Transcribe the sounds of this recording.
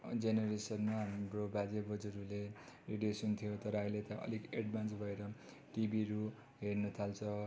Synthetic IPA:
d͡zeneɾesʌnmaɦamrobad͡zebʌd͡zuɾule | riɖijosunt̪ʰijot̪ʌɾʌɦʌilet̪ʌʌ̰likeɖbʱant͡sbʱʌeɾʌ | ʈibiɾu | ɦernʌt̪ʰalt͡sʰʌ

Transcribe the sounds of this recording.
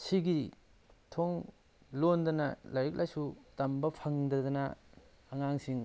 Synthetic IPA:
siɡi | tʰoŋ | londɐnɐlaɾik̚lʔajsutɐmbɐpʰɐŋdɐdɐnɐ | ɐŋaŋsiŋ

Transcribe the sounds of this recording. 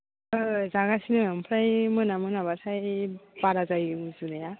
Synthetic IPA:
zaɡasinɯmpʰɾajmɯnamɯnaβasʰajbaɾazajzunaja

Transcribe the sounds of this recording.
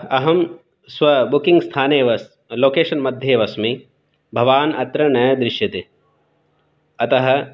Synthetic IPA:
ɐɦɐm | sʋɐbukĩŋɡst̪ʰaːneːʋɐs | loːkeːʃɐnmɐd̪ʱjeːʋɐsmi | bʱɐʋaːnɐt̪ɾɐnɐjɐd̪ɾɪʃjɐt̪e | ɐt̪ɐɦɐ̆

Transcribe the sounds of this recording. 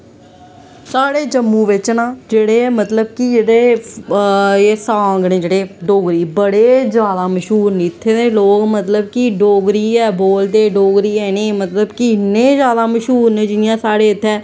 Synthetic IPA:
saːɽeːd͡ʒəmːũːʋɪt͡ʃnãːd͡ʒeːɽeːmət̪ləbkid͡ʒeːɽeː | eːsãːŋɡnẽːd͡ʒeːɽeːɖoːɡɾiːbəɽeːd͡ʒaːd̪aːməʃɦuːɾnit̪ʰːeːnẽːloːkmət̪ləb̚kiɖoːɡɾiːɛːboːld̪eːɖoːɡɾiːɛːnẽːmət̪ləbkinːẽːd͡ʒjaːd̪aːməʃɦuːɾnẽːd͡ʒɪnɪjãːsaːɽeːɪt̪ʰːɛː

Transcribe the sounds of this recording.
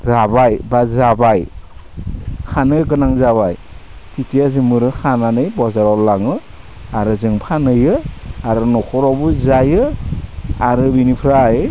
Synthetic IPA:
ɾabajbazabaj | kʰanɯjɡɯnaŋzaβaj | tʰitʰijazɯmɯɾɯkʰananɯjbɔzaɾɔlːaŋɯ | aɾɯzɯŋpʰanɯjɯaɾɯnɔkʰɔɾɔbuzajɯ | aɾɯbinipʰɾaj

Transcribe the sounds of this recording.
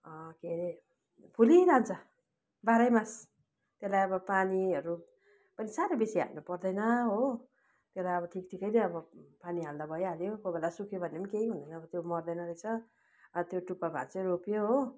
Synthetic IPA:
ʌkeɾe | pʰuliɾant͡sʰʌ | baɾʌjmas | t̪jelajʌbʌpaniɦʌɾu | pʌnisaɾʌbesiɦa̰lnupʌrd̪ʌjnʌɦo | t̪jolajʌbʌʈʰikʈʰikʌjd̪eʌbʌpaniɦald̪abʱʌjeɦaljokobelasukʰjobʱʌnːemʌnkeɦiɦund̪ʌjnʌʌbʌt̪jomʌrd̪ʌjnʌɾejt͡sʰʌ | t̪joʈupːabʱa̰t͡sʌropjoɦo

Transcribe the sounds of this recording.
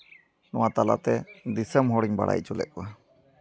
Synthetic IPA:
nɔ̃wat̪ala̰t̪ɛd̪isəmɦɔɽiɲba̰ɽa̰jt͡ʃulɛ̰ʔ̚kwa

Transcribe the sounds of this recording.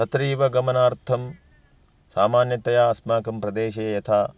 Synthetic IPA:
sɐt̪ɾiːʋɐɡɐmɐnaːɾt̪ʰɐm | saːmaːnjɐt̪ɐjaːɐsmaːkɐmpɾɐd̪eːʃɐjɐjɐt̪ʰaː

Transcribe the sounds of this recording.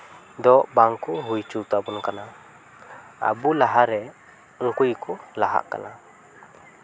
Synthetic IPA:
dɔʔbaŋkuɦuit͡ʃut̪abunkana | a̰bulaɦaɾɛ | ŋkuikulaɦa̰ʔka̰na

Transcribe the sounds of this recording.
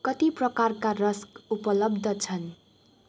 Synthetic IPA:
kʌt̪iprʌkarkarʌskupʌlʌbd̪ʱʌt͡sʰʌn

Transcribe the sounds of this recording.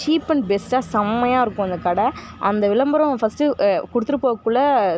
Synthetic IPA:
t͡ʃiːpːɐɳbɛsʈaːsɐmːɐjaːɪɾɯkːʊ̃ɐnd̪ɐkɐɽɐ | ɐnd̪ɐʋɪlɐmbɐɾɐ̃fɐsʈɯkʊɽɯt̪ːɯɾɯpːoːɐkːuɭɐ

